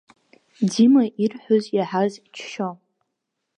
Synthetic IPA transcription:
dimaʔirħʷʊzjaħazt͡ʃʰʃo

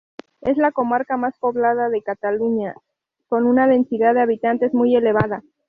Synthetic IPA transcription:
e̞zlako̞maɾkamaspo̞βlaðaðe̞kat̪aluɲa | ko̞nunaðe̞nsiðaððeaβit̪ant̪e̞zmuje̞le̞βaða

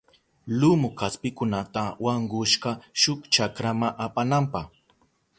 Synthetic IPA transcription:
lʊmʊkaspɪkʊnat̪awaŋɢʊʃɢɑʃʊkt͡ʃakɾamaʔapanampɑχ

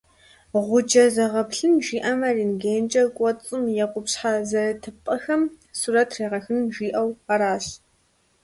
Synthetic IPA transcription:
ʁʷʊd͡ʒɐzɐʁɐpɬɨnʒiːʔɐmɐriːnɡeːnt͡ʃʼɐkʷʼɔt͡sʼɨmjɛqʷʊpɕħazɐtʰɨpʼɐxɐm | suɾɐtʰreːʁɐxɨnʒiːʔɐwaɾaːɕ

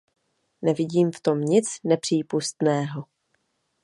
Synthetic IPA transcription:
nɛvɪɟiːmft̪o̞mɲɪt͡snɛpr̝̥iːpust̪nɛːɦo

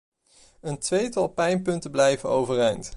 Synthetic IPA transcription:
əntʋejtɑlˠpɛjnpɵntəblɛjvənowvərɛjnt

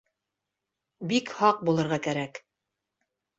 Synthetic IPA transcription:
bikhɑq̚bulˠɤ̆ɾʁɑkæɾæk

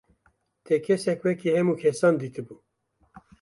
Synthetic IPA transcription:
t̪ʰɛkʰɛsɛkwɛkihɛmuːkʰɛsɑːnd̪iːt̪ʰɨbuː

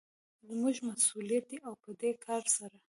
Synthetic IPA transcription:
zmuʒmasulijat̪̚d̪iʔawpəd̪ekʰɑɾsaɾa

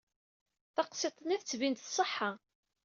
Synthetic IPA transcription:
θɑqset̪ˤnæθt͡sːvint̪θsˤəħːa

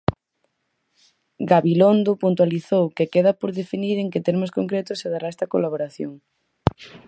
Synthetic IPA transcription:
ɡaβilond̪ʊpunt̪waliθowkekeðɐpoɾðefiniðeŋket̪eɾmʊskoŋkɾet̪ʊseðaɾaɛst̪ɐkolaβoɾaθjoŋ

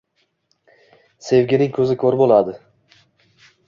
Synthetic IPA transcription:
se̞vɡʲɪnɪŋkʲʰɵzɪkʰoɾbolˠad̪ɪ

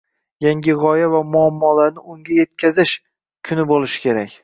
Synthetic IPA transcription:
jaŋʲɪʁɒjavamʊamːɒlaɾnɪʊŋɡʲaje̞t̪̚kʲʰazɪʃ | kʰʊnɪbolɪʃɪ̥kʲʰe̞ɾakʲ

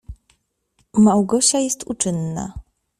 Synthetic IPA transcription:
mawɡɔɕajɛst̪ut͡ʂɘnːa̰

